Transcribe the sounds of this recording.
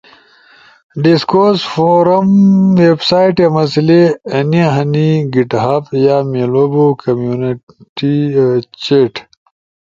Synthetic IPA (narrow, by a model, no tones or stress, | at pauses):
ɖiskosfoɾɐmwebsajʈjamɐsileɐniaɦɐniɡiʈɦapjamelobokʰɐmjuni | ʈit͡ɕeʈ